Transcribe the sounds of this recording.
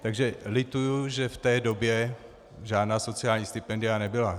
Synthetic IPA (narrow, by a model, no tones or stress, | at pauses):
t̪aɡʒɛlɪt̪ujuʒɛft̪ɛːdobjɛ | ʒaːdnaːso̞t͡sɪaːlɲiːst̪ɪpɛndɪanɛbɪla